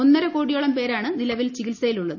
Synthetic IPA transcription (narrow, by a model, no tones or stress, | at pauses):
onːɐɾɐkoːɽijoɭɐmpe̞ːɾaːɳɨnilɐʋilt͡ɕikilsɐjiluɭːɐðɨ